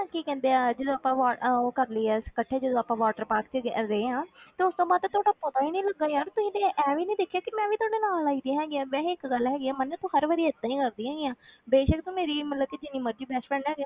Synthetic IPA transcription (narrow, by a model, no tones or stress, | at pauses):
kiːkɛ̃ːnd̪eaːd͡ʒəd̪oːəpãːʋaːoːkəɾləiːɛːskəʈʰːeːd͡ʒəd̪oːaːpãːʋaːʈəɾpaːkt͡ʃɡɾəeːãːt̪eːʊst̪õːbaːd̪t̪ɛ̃ːt̪ʰoːɽaːpət̪aːiːnĩːləɡːaːjaːɾt̪ʊsĩːd̪eːʔɛːʋiːnəĩːd̪ekʰːjaːkɪmɛ̃ːʋiːt̪ʊaːɽeːnaːlaːiːd̪ĩɦɛːɡɪaːbɛ̃ːɪkɡəlɦɛːɡiːaːmənːẽːt̪õːɦəɾʋəːɾiːət̪ːãːĩːkəɾd̪iːɦɛːɡiːãːbeːʃəkt̪õːmeːɾiːmət̪ləb̚kiːd͡ʒɪnĩːməɾd͡ʒiːbɛːspɛɳɛːɡaː